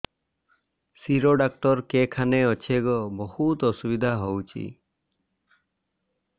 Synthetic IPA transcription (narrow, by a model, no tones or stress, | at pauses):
siɾoɖak̚ʈɔɾkekʰaneɔt͡ʃʰeɡɔbɔhut̪ɔsubid̪ʱaɦowt͡ʃʰḭ